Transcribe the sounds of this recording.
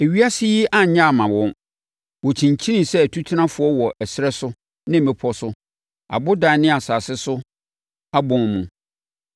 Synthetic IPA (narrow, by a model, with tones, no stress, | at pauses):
e˨ɥi˦a˦sɪ˦ji˦ʔa˦ɲã˦a˨mã˨wɔ̃˦n | wɔ˨t͡ɕʰĩ˨ɲ˨t͡ɕʰi˦nĩ˦sɛ˦˨tʰu˦tʰi˦nã˦fʊ˨˦ɔ˦wɔ˨ʔɛ˨sɾɛ˦sʊ˦ | nɪ̃˦m˨mɛ̃˦pʰɔ˦sʊ˦ | a̰˨bʊ˦dã˨˦nɪ̃˦a˨saː˨sɪ˦sʊ˦ | a˦bɔ̃˨nmũ˨